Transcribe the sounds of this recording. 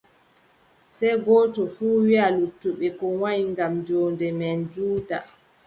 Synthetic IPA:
sɛjɡɔːtɔfuːwialutːuɓɛkɔwaɲiŋɡamd͡ʒoːndɛmɛnd͡ʒuːda

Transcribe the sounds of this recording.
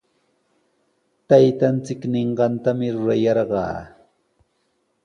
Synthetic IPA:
t̪ajt̪ant͡sɪkneɴɢɑnt̪amɪɾʊɾajɑɾɢɑ̰ː

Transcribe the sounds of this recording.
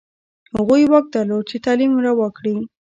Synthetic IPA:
haɣujwak̚d̪aɾlod̪̚t͡ʃet̪alimɾawəkɽi

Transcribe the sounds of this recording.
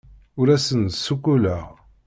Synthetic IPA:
ʊɾæsənsːukːuləʁ

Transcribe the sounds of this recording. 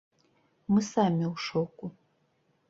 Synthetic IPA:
mɨsaːmiwʂowkʷʼʊ

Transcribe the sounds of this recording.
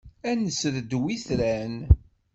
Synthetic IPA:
ænəsɾd̪wiθɾæn

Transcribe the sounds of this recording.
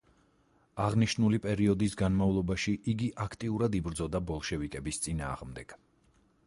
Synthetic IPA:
aʁniʃnulipʼɛɾiɔd̪isɡanmavlˠɔbaʃiʔiɡiʔakʰt̪ʼiuɾad̪ibɾd̪zɔd̪abɔlˠʃɛvikʼɛbist̪sʼina̰ːʁmd̪ɛɡ̥

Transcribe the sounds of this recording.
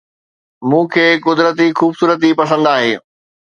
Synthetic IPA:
mũːkʰeːkʊd̪ɾət̪ixuːbsuːɾət̪̬ipɐsə̃nd̪aːɦeː

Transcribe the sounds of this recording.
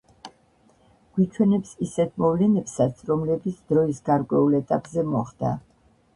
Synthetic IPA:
ɡ̥wit͡ʃʰwɛnɛpsisɛt̪ʰmɔvlɛnɛpsat̪sʰɾɔmlɛbit̪sʰd̪ɾɔisɡaɾkʼwɛulɛt̪ʼapʼzɛmɔχd̪a̰

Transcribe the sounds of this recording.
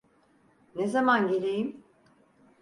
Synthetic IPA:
nezamanɟe̞lʲejim

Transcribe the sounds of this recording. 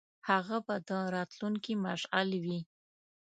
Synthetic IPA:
haɣabad̪əɾɑt̪luŋkimaʂalwi

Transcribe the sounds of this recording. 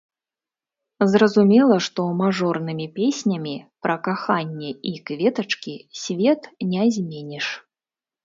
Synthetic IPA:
zrɐzumʲɛlˠɐʂt̪ɔmaʐɔrnɨmʲipʲesʲnʲɐmʲipɾɐkaxanʲːɛikvʲɛt̪ɐt͡ʂkʲisʲvʲɛt̪nʲɛzʲmʲenʲɛʂ

